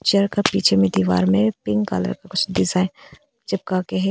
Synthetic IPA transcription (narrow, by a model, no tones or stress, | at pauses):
t͡ʃɐɾkapiːt͡ʃʰemẽd̪iːʋa̰ːɾmẽpɪŋɡka̰ːlə̰ɾkakʊt͡ʃʰd̪ɪzaː | d͡ʒɐb̚kakeɦɛ